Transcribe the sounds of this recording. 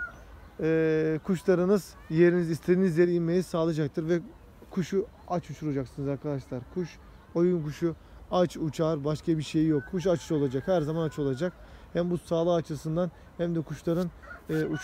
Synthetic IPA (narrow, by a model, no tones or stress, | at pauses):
ɛːkʰuʃlˠaɾɯnɯz | je̞ɾinizist̪ʰeɾinizje̞ɾiinme̞jisaːlˠad͡ʒak̚t̪ʰɯɾvɛ | kʰuʃu | at͡ʃut͡ʃʰuɾad͡ʒaksɯnɯzaɾkʰad̪aʃlˠaɾkʰuʃ | o̞junkuʃu | at͡ʃut͡ʃʰaɾbaʃkabiɾʃe̞jijokʰːuʃ̬at͡ʃʰo̞lˠad͡ʒakhæɾzamanat͡ʃʰo̞lˠad͡ʒak̚ | hæmbusaːlˠɯat͡ʃʰɯsɯnd̪an | hæmd̪ɛkʰuʃlˠaɾɯnɛːu